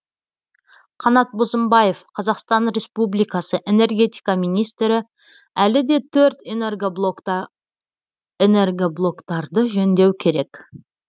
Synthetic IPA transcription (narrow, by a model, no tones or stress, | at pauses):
qʰɑnɑt̪̚bozəmbɑje̞fqʰɑzɑqst̪ɑnɾʲe̞spublijkɑsəʔe̞ne̞rɡʲe̞t̪ʲijkɑmijnijst̪ɾɪ | ælɪd̪e̞t̪ʰɵɾt̪enerɡ | enerɡʲoblˠo̞kt̪ɑɾd̪əʒɵnd̪e̞wkʲʰe̞ɾe̞k